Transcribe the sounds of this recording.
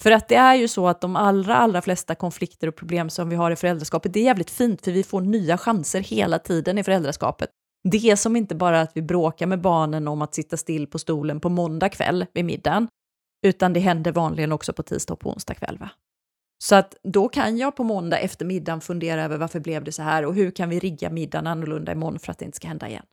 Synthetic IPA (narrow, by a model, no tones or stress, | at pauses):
fœɾat̪̚d̪ɛæɾjɵsɔat̪̚d̪ɔmalɾa̰ʔalɾaflɛst̪akʰɔnflɪkt̪əɾɔpʰɾʊbleːmsɔmvɪɦaɾɪfœɾɛld̪ɾaʂkɑːpət̪̚d̪ɛæɾjæːvlɪkt̪fiːnt̪fœɾvɪfoːɳyːaɧansəɾheːlat̪ʰiːd̪ənɪfœɾɛld̪ɾaʂkɑ̰ːpət̪̚ | d̪ɛæsɔmɪnt̪əbɑːɾaːt̪vɪbɾoːkaɾmɛbɑːɳənɔmat̪sɪt̪ːast̪ɪlːpʰɔst̪uːlənpɔmɔnd̪akʰvɛ̰lːvɪmɪ̰d̪ːan | ʉ̟ːt̪and̪ɛɦɛnd̪əɾvɑːnlɪɡənɔksɔpʰɔt̪ʰḭːd̪st̪ɔ̰ːɡ̚pʰɔʊ̰nst̪a̰kʰvɛ̰lːva̰ | sɔat̪d̪ɔkʰa̰njɑːɡpʰɔmɔnd̪a̰ʔɛft̪əɾmɪd̪ːanfɵnd̪eːɾaøːvəɾvaɾfəblɛvd̪ɛsɔɦæːɾɔɦɵɾkʰanvɪɾɪɡːa̰mɪd̪ːa̰nanːʊlɵnd̪a̰ɪ̰mɔnːfœɾat̪d̪ɛɪnt̪ə̥skahɛnd̪a̰ɪ̰jɛ̰nː